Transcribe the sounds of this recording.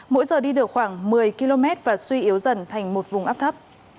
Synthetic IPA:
mo̰˧˥jzəː˨˩ɗi˧ɗɨ˨˩ək̚xwaː˧˩ŋmɨ˨˩əjki˧lo˧mɛ˦˥t̚vaː˨˩swi˧ʔi˨˦əwzə˨˩nt̪ʰa˨˩jŋ̟mo˨˩t̚vʊ˨˩ŋ͡mʔaː˦˥p̚t̪ʰə˦˥p̚

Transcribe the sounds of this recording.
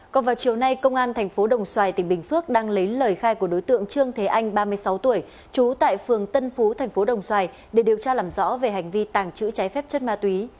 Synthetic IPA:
kɔ˨˩nvaː˨˩wt͡ɕi˨˩əwna˧jkə˧wŋ͡mʔaː˧nt̪ʰɛ˨˩jŋ̟fo˨˦ɗə˨˩wŋ͡mswaː˨˩jt̪ï˧˩ŋ̟ɓï˨˩ŋ̟fɨ˦˥ək̚ɗaː˧ŋlə˨˦jləː˨˩jxaː˧jku˧˩əɗo˨˦jt̪ɨ̰˧˨əŋt͡ɕɨ˧əŋt̪ʰe˨˦ʔa˧jŋ̟ɓaː˧mɨ˧əjsa˨˦wt̪u˧˩əj | t͡ɕu˨˦t̪a̰ː˧˨jfɨ˨˩əŋt̪ə˧nfu˨˦t̪ʰɛ˨˩jŋ̟fo˨˦ɗə˨˩wŋ͡mswaː˨˧˩j | ɗe˧˩ɗi˨˩əwt͡ɕaː˧laː˨˩mzɔ̰˧˥ve˨˩ɦa˨˩jŋ̟vi˧t̪aː˨˩ŋt͡ɕɨ̰˧˥t͡ɕaː˨˦jfɛ˦˥p̚t͡ɕə˦˥t̚maː˧t̪wi˨˦

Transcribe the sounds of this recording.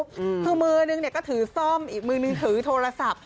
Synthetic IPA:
kʰɯː˧mɯ˧ənɯ˧ŋni˧˩əkɔː˥˩t̪ʰɯː˨˩˦sɔ˥˩mʔiː˨˩k̚mɯː˧nɯ˧ŋt̪ʰɯː˩˦t̪ʰoː˧ɾa˧sa˨˩p̚

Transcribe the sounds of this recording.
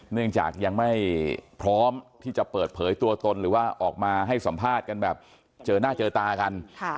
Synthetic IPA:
nɯ˥˩əŋt͡ɕa̰ː˨˩k̚ja˧ŋma˥˩jpʰɾɔː˦˥mt̪ʰiː˥˩t͡ɕa˨˩pɤː˨˩t̪̚pʰɤː˩˦jt̪u˧ɐt̪o˧nɾɯː˩˦waː˥˩ʔɔː˨˩k̚maː˧ɦa˥˩jsa˩˦mpʰaː˥˩t̪̚ka˧nbɛː˨˩p̚ | t͡ɕɤː˧naː˥˩t͡ɕɤː˧t̪aː˧ka˧nʰ˥˩

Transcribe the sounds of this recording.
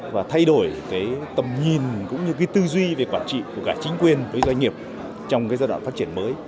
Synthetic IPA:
vaː˨˩t̪ʰa˧jɗo˧˩jkaː˨˦jt̪ə˨˩mɲi˨˩nkʊ̰˧˥ŋ͡mɲɨ˧k̬aː˨˦jt̪ɨ˧zwi˧ve˨˩kwaː˧˩nt͡ɕḭ˧˨ku˧˩əkaː˧˩t͡ɕï˨˦ŋ̟kwi˨˩ənvəː˨˦jzwa˧jŋ̟ŋi˨˩əp̚ | t͡ɕɔ˧wŋ͡mkaː˨˦zaː˧jɗwa̰ː˧˨˩faː˦˥tt͡ɕi˧˩ənməː˨˦j

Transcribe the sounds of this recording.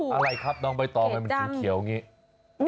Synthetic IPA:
ʔa˧ɾa˧jkʰa˦˥p̚nɔː˧ŋp̬a˧jt̪ɔː˨˩ŋa˧jma˧nki˧˩ki˨˩˦wa˧ŋiː˦˥

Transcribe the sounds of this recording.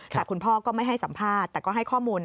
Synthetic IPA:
t͡ɕaː˨˩kʰːu˧npʰɔː˥˩kɔː˥˩ma˥˩jɦa˥˩jsa˩˦mpʰaː˥˩t̪ːɛː˨˩kɔː˥˩ɦa˥˩jkʰɔː˥˩muː˧n

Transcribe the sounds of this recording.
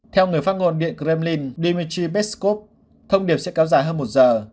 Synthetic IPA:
t̪ʰɛ˧wŋɨ˨˩əjfa˦˥t̚ŋo˧nɗḭ˧˨ənkɾɛ˧mli˧nɗi˧mi˧t͡ɕi˧ɓɛ˦˥t̚sko˦˥p̚ | t̪ʰə˧wŋ͡mɗi˨˩əp̚sɛ̰˧˥kɛ˨˦wzaː˨˧˩jɦəː˧nmo˨˩t̚zəː˨˩

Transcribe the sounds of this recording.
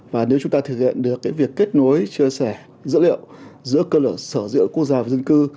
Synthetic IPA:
vaː˨˩ne˨˦wt͡ɕʊ˨˦ŋ͡mt̪aː˧t̪ʰɨ˨˩k̚hḭ˧˨ənɗɨ˨˩əkːaː˨˦jvi˨˩əkːe˦˥t̚no˨˦jt͡ɕi˧əsɛ˧˩ | zɨ̰˧˥lḭ˧˨ə˨wzɨ̰˧˥əkəː˧ləː˧˩səː˧˩zɨ̰˧˥əku˦˥ək̚zaː˧vaː˨˩zə˧nkɨ˧

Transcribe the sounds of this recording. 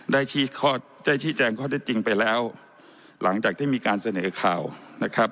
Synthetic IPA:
daː˥˩jt͡ɕʰiː˦˥˩kʰɔː˥˩ | daː˥˩jt͡ɕʰiː˦˥˩t͡ɕɛː˧ŋkʰɔː˥˩t̪ʰt̪̚t͡ɕi˧ŋpa˧jlɛː˦˥w | la˩˦ŋt͡ɕaː˨˩k̚t̪iː˥˩miː˧kaː˧nsa˧nɤː˩˦kʰa̰ː˨˩wna˦˥kʰɾa˦˥p̚

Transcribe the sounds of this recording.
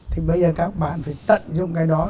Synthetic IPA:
t̪ʰi˨˩ɓə˧jzəː˨˩kaː˦˥k̚ɓa̰ː˧˨nfaː˧˩jt̪ə̰˧˨nzʊ̰˧˨ŋ͡mkaː˨˦jɗɔ˨˦

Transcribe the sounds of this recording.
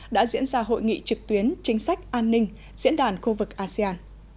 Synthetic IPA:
ɗa̰ː˧˥zḭ˧˥ənzaː˧ɦo̰˧˨jŋḭ˧˨t͡ɕɨ˨˩k̚t̪wi˨˦ənt͡ɕï˨˦ŋ̟sa˦˥jk̟̚ʔaː˧nːï˧ŋ̟ | zḭ˧˥ənɗaː˨˩nxu˧vɨ˨˩k̚ʔaː˧si˧aː˧n

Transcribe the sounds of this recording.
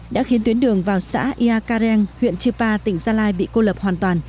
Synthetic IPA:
ɗa̰ː˧˥xi˨˦ənt̪wi˨˦ənɗɨ˨˩əŋvaː˨˩wsa̰ː˧˥ʔi˧ʔaː˧kaː˧ɾɛ˧ŋhwḭ˧˨ənt͡ɕɨ˧paː˧t̪ï˧˩ŋ̟zaː˧laː˧jɓḭ˧˨ko˧ləː˨˩p̚hwaː˨˩nt̪waː˨˩n

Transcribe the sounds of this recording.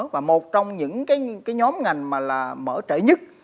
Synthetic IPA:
vaː˨˩mo˨˩t̚t͡ɕɔ˧wŋ͡mɲɨ̰˧˥ŋkaː˨˦jkaː˨˦jɲɔ˨˦mŋa˨˩jŋ̟maː˨˩laː˨˩məː˧˩t͡ɕe˧˩ɲɨ˦˥t̚

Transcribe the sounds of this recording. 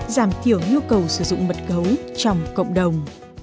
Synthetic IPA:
zaː˧˩mt̪ʰi˧˩əwɲu˧kə˨˩wsɨ˧˩zʊ̰˧˨ŋ͡mɓə˨˩t̚ɣə˨˦wt͡ɕɔ˧wŋ͡mkə̰˧˨wŋ͡mɗə˨˩wŋ͡m

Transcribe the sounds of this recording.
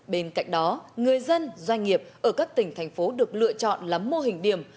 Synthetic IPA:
ɓe˧nka̰˧˨jk̟ɗɔ˨˦ŋɨ˨˩əjzə˧nzwa˧jŋ̟ŋi˨˩əp̚ʔəː˧˩kaː˦˥k̚t̪ï˧˩ŋ̟t̪ʰa˨˩jŋ̟fo˨˦ɗɨ˨˩ək̚lɨ̰˧˨ət͡ɕɔ̰˧˨nlaː˨˦mːo˧ɦï˨˩ŋ̟ɗi˧˩əm

